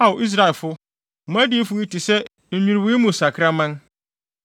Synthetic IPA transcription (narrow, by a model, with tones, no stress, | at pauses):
a˨ʔi˦s̬ɾa˨ɛ˨lfʊ˦ | m˦ã˦dɪ˦e˦fʊ˨ni˦ti˨sɛ˦ | m̩˨ɲᶣĩ˨ɾwi˦mũ˨sa˨kʰɪ˦ɾa˦mã˦n